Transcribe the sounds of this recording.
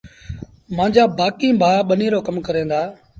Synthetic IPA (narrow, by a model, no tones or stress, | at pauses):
mãːɲd͡ʒaːbaːkĩːbʱaːɓəniːɾoːkəmkəɾẽːnd̪aː